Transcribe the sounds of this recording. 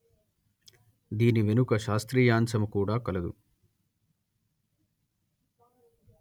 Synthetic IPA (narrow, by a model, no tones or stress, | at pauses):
d̪iːniʋe̞nukɐʃaːst̪ɾiːjaːnsɐmukuːɽaːkɐlɐd̪ṵ